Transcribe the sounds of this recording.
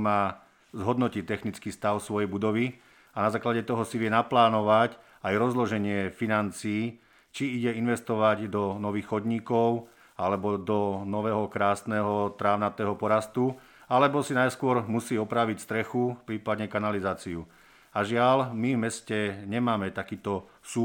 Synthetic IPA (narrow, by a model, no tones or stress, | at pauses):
maː | zɦɔd̪nɔcit̪ɛxnit͡skiːst̪aʊsʋɔjɛjbud̪ɔʋi | anazaːklaɟɛt̪ɔɦɔsiʋɪɛnaplaːnɔʋac | ajɾɔzlɔʒɛɲɪɛfinant͡siː | t͡ʃiiɟɛinʋɛst̪ɔʋaɟd̪ɔnɔʋiːxxɔd̪ɲiːkɔʊ | alɛbɔd̪ɔnɔʋɛːɦɔkɾaːsnɛːɦɔt̪ɾaːʊnat̪ɛːɦɔpɔɾast̪u | alɛbɔsinajskʊɔɾmusiːɔpɾaʋicst̪ɾɛxupɾiːpad̪ɲɛkanalizaːt͡siu | aʒɪalmivmɛscɛɲɛmaːmɛt̪akiːt̪ɔ | suː